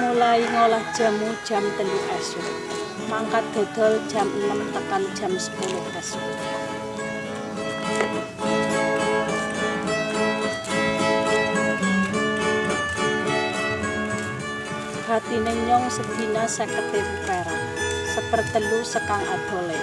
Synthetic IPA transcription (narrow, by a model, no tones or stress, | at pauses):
mulaiŋolahd̥ʒ̥a̤mud̥ʒ̥a̤mt̪əluʔɛsʊk | maŋkat̪̚d̪̥o̤d̪̥ɔ̤ld̥ʒ̥a̤mənəmt̪əkand̥ʒ̥a̤msə̥kʊnpɛsʊ | b̥a̤t̪ineɲɔŋsəbinasɛkət̪eɾkɛɾa | səpərt̪əlusəkaŋa̰d̪̥ɔ̤lɛ